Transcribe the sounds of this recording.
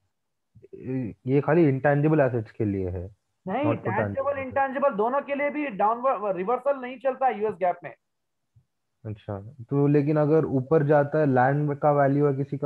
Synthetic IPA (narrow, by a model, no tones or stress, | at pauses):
jekaːliɪ̃ɳʈɛ̃ːnd͡ʒɪbəlɛːs̬eʈskelieɦɛ̰ː | nɐɦĩɔoɛ̃ːɛ̃ːd͡ʒebəlɪ̃ɳʈɛ̃ːnd͡ʒɪbəld̪oːnõkeliebʱiɖaːʊnʋəɖɾɪʋəɾsəlnɐɦĩt͡ʃɐlt̪aɦɛjuːesɡɛːp̚mḛ̃ː | ɐtːʃʰaːt̪oleːk̬ɪnɐɡəɾuːpəɾd͡ʒaːt̪aɦɛlɛ̃ːɳɖkaʋɛːljuɦɛk̬ɪsik